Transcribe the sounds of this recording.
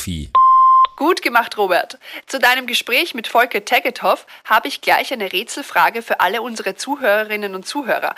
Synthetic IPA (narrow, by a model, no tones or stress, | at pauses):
ḭː | ɡ̥uːtɡ̥əmaχtʁoːbɛɐtt͡sudaɪnəmɡəʃpʁ̥ɛːçmɪtfɔlkɐtʰɛɡətʰhɔfhaːbəɪçɡ̥laɪçʔaɪnəʁeːt͡sl̩fʁ̥aːɡəfyːɐʔa̰ləʊnzəʁət͡suːɦøːʁəʁɪnənʊnt̚t͡suːɦøːʁɐ̰